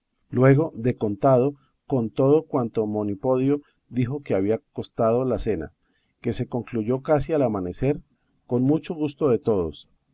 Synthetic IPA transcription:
lwe̞ɣo̞ðe̞ko̞nt̪að̞o̞ | ko̞nt̪o̞ð̞okwant̪o̞mo̞nipo̞ðjo̞ | d̪ixo̞ke̞aβ̞iako̞st̪að̞o̞lase̞na̰ | ke̞se̞ko̞ŋkluʝo̞kasialamane̞se̞ɾ | ko̞nmut͡ʃo̞ɣust̪o̞ðe̞t̪o̞ð̞o̞s

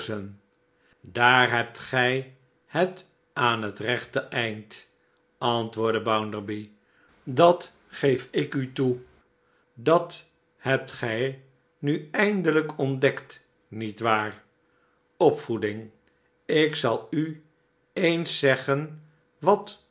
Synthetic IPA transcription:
ən | daːɹɦɛp̚tχɛj | hət | aːnɦətrɛχtəʔɛjnt | ɑntʋʊːɹdəbʌwndəɹbi | dɑt | χejfɪkytu | dɑt | ɦɛp̚tχɛj | nyɛjndələkɔndɛkt | nitʋaːr | ɔpfudɪŋ | ɪksɑlˠy | ejnsɛχən | ʋɑt

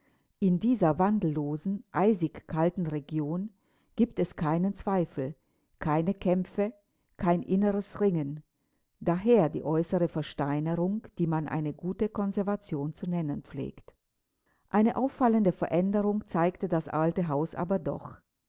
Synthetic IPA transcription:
ʔɪndiːzɐvandl̩ːoːzn̩ʔaɪzɪçkʰːaltn̩ʁeɡjoːn | ɡ̥iːptɛskʰaɪnənt͡sv̥aɪfl̩ | kʰaɪnəkʰɛmfə | kʰaɪnʔɪnəʁəsʁɪŋən | daːɦeːɐdḭːʔɔʏsəʁəfɛɐʃtaɪnəʁʊŋd̥iːmanʔa̰ɪnəɡuːtəkʰɔnzɛɐvat͡sjoːnt͡sunɛnənp͡flḛːkt | ʔaɪnəʔaʊfːaləndəfɛɐʔɛndəʁʊŋt͡saɪktədasʔaltəɦaʊsʔa̰ːbɐdɔ̰χ

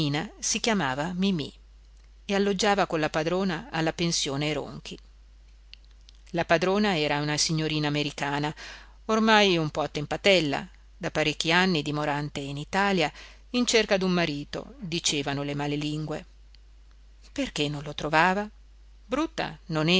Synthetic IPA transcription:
iːnasikjamaːvamimḭ | ealːod͡ʒːaːvakolːapad̪ɾoːnaːlːapensjoːneɾo̰ŋk̟ʰi | lapad̪ɾoːnaɛːɾaunasiɲːoɾiːnaːmeɾikaːna | ormajumpɔat̪ːempat̪ɛlːa̰ | d̪apːaɾekːianːid̪imoɾant̪einit̪aːlja | int͡ʃerkad̪ummːaɾiːt̪o̰d̪it͡ʃeːvanolemaleliŋɡwe | perk̟enːonlot̪ɾovaːva | bɾut̪ːa̰nonɛ

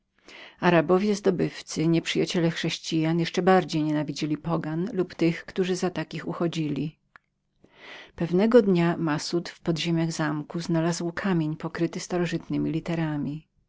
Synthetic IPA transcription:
aɾabɔvʲjɛzd̪ɔbɘft̪sɘɲɛpʂɘjat͡ɕɛlɛxʂɛɕt͡ɕijanjɛʂt͡ʂɛbaɾd͡ʑejɲɛnavʲid͡ʑilʲipɔɡanlupt̪ɘxkt̪uʐɘzat̪akʲixuxɔd͡ʑilʲi | pɛvnɛɡɔd̪ɲamasut̪fpɔd̪ʑemʲjaɣzamkuznalazwkʰamʲjeɲpɔkɾɘt̪ɘst̪aɾɔʐɨt̪nɘmʲilʲit̪ɛɾamʲi

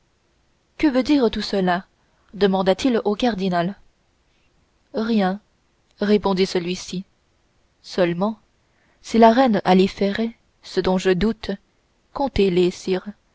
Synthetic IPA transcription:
kəvød̪iːʁt̪usəla | d̪əmɑ̃d̪at̪ilokaʁd̪inal | ʁjɛ̃ | ʁepɔ̃d̪isəlɥisi | sœlmɑ̃ | silaʁɛnalefɛʁe | səd̪ɔ̃ʒəd̪ut̪ | kɔ̃t̪elesiːʁ

